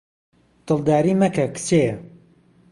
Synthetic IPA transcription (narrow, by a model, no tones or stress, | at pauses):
t̪ɨlˠd̪aːɾiːmɐkɐkɨ̥t͡sejɐ